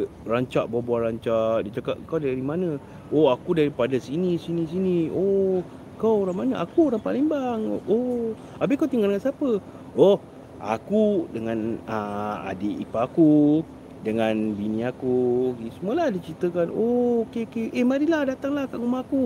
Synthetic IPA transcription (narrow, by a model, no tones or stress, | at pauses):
raɲt͡ʃaʔbabuaɾaɲt͡ʃaʔdit͡ʃaka̰ʔkawdaɾimanə̃ | oakudaɾipadasinisinis̬inio | kawoɾamanəʔakuɾaŋpaliŋbaŋo | abɪkawt̪iŋɡaldəŋansapə | o | a̰kudəŋanaa̰diʔipaːku | dəŋanbiniakuisəmuəlahdit͡ʃɾit̪əkanookekeehmaɾilahdat̪aŋlahkaʔɡumaaku